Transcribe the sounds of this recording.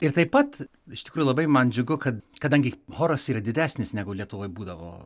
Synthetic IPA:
ɪɾt̪ɐɪpɐt̪ | ɪʃtʲɪ̥kɾuːjulˠɐbɐɪmɐnd͡ʒʲʊɡʊkɐt̪kɐd̪ɐŋʲɡʲɪhoːɾɐsiːɾɐd̪ʲɪd̪ʲæːsʲnʲɪsnʲæːɡʊlʲiɛt̪ʊʋoːjbuːd̪ɐʋo̰ː

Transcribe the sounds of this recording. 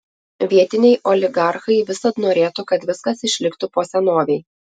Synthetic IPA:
ʋʲiɛt̪ʲɪnʲɛɪʔɔlʲɪɡɑˑɾxɐɪʋʲɪsɐt̪noːɾʲeːt̪ʊkɐt̪ʋʲɪskɐsɪʃʲlʲɪkt̪ʊpoːsʲɛnoːʋʲɛɪ

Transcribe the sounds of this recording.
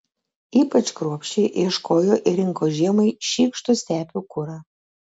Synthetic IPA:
iːpɐt͡ʃkɾuɔpʲʃʲt͡ʃʲɛɪʔiɛʃkoːjoʔɪɾʲɪŋkoːʒʲiɛmɐɪʃʲiːkʃt̪ʊsʲt̪ʲæːpʲukʊɾɐ

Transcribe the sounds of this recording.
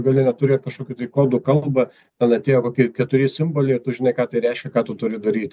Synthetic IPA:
ɡɐlʲɪnʲɛt̪ʊɾʲeːt̪̚kɐʃkoːkʲut̪ɐɪkoːd̪ʊkɐlˠbɐ | t̪ʲɛnɐt̪ʲeːjoːkoːkʲɪkʲɛt̪ʊɾʲɪsʲɪmboːlʲɛɪt̪ʊʒʲɪnɐɪkɑːt̪ɐɪɾʲɛɪʃʲkʲɛkɑːt̪ʊt̪ʊɾʲɪd̪ɐɾʲiːt̪ʲ

